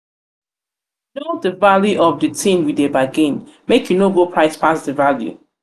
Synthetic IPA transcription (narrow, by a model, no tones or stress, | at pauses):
nodəvaljuʔɔfdɨtʰĩmwidebaɡĩnmekjunoɡopʰɹaɪspasdəvaljṵ